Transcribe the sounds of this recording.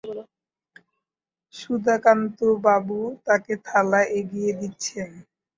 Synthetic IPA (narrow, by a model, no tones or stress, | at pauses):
ʃud̪ʱakant̪obabut̪aket̪ʰalaʔeɡijed̪itːɕʰen